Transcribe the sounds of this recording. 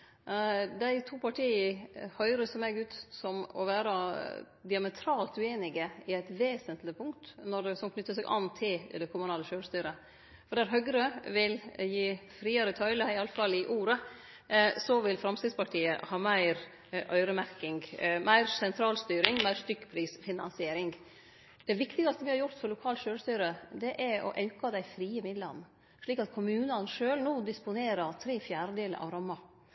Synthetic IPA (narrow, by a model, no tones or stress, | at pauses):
d̪æɪt̪ʰuːpɑʈʰiːəhœʏɾəsɔmɛɡʉːt̪sɔmɔ̰ʋæːɾə | d̪ɪɑmɛt̪ʰɾɑːlt̪ʉeːnɪɡəɪæɪt̪ʋeːsənt̪lɪpʰʊŋkt̪nɔd̪ɛsɔmkʰnʏt̪ːəs̬ɛɡʔɑ̰nt̪ʰɪld̪ɛkʰʊmʊnɑːləʃøːɾst̪yːɾə | fɔɖæɾɦœɡɾøʋɪljiːfɾiːəɾət̪ʰœʏləɪɑləfɑlɪʔuːɾə | sɔʋɪlfɾɑmst̪ɪd̪spɑʈʰiːə̰hɑːmæɪɾ | ʔœʏɾəmæɾkɪŋɡmæɪɾsɛnt̪ʰɾɑːlst̪yːɾɪŋmæɪɾst̪ʏkːpʰɾiːsfɪnɑnsɪeːɾɪŋɡ | d̪̥ɛʋɪkt̪ɪɡɑst̪əʋɪhɑɾjʊɾt̪fɔɾlʊkʰɑːlʃøːɾst̪yːɾəd̪ɛʔæɾɔ̰ʔɑʉkɑd̪æɪfɾiːəmɪd̪lə̰n | ʂɭiːkɑt̪̚kʰʊmʉːnɑnʂøːlnuːd̪ɪspʊneːɾəɾt̪ʰɾeːfjæːɾəd̪eːləɾʔɑ̰ʋɾɑmːɑ